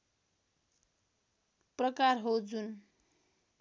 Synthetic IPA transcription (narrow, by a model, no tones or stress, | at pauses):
prʌkarɦod͡zun